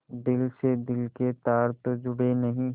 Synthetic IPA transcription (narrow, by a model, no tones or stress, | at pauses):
d̪ɪlsed̪ɪlket̪aːɾt̪d͡ʒʊɽenɐɦĩ